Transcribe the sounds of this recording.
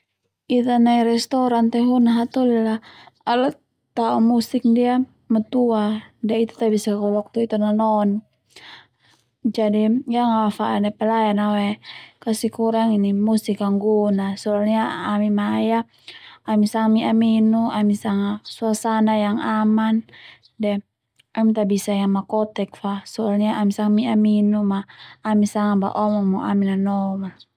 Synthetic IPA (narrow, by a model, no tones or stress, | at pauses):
it̪anaiɾɛst̪ɔɾant̪ɛɦunaɦat̪ulilaala | t̪aɔmusik̚dia | mat̪uadait̪u̥t̪abisakɔlɔk̚t̪uit̪ananɔn | d͡ʒadijaŋawafaʔanapɛlajanawɛkasikuɾaŋinimusikaŋɡunasɔalɲaːmimaja | amisaŋamiaminuʔamisaŋasuasanajaŋaman | dɛ | amit̪abisajaŋmakɔt̪ɛk̚fasɔalɲaʔamisaŋmiaminumaːmisaŋaba̰ʔɔmɔŋmɔʔaminanɔma